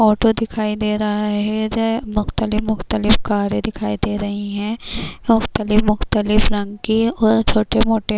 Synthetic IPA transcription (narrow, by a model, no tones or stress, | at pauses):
ɔːʈod̪ɪkʰaːid̪eːɾɐɦaɦɛmʊxt̪əlɪfmʊxt̪əlɪfkaːɾẽd̪ɪkʰaːid̪eːɾɐɦiɦɛ̃ːmʊxt̪əlɪfmʊxt̪əlɪfɾɐ̃ŋɡkiɔːɾt͡ʃʰoːʈemoːʈe